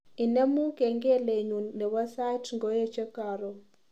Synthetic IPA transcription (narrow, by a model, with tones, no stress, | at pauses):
i˨ne˦mu˦kɛ˨ŋɡɛ˦le˨ɲu˨nɛ˨βa˦sa˦tʰŋɡɔ˦jɛ˦t͡ʃʰɛ˦kaː˨ɾɔ˨